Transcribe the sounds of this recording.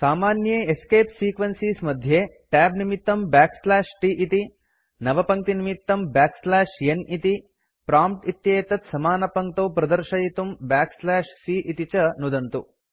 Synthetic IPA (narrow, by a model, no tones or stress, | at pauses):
saːmaːnjeːeskeːpsiːkʋɐnsiːsmɐd̪ʱjeː | ʈɛːbnimit̪ːɐmbaːkslaːʃʈiʔit̪i | nɐʋɐpɐŋt̪inimit̪ːɐmbaːkslaːʃjenit̪i | pɾaːmp̚ʈit̪jeːt̪ɐt̪sɐmaːnɐpɐŋ̚t̪oːpɾɐd̪ɐɾʃɐjit̪umbaːkslaːʃsiʔit̪it͡ʃɐnud̪ɐnt̪u